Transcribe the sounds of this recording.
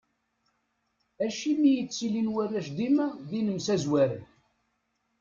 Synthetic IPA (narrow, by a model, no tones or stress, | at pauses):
æʃimijət͡sːilinwærːæʃd̪imæðinəmsæzwæɾən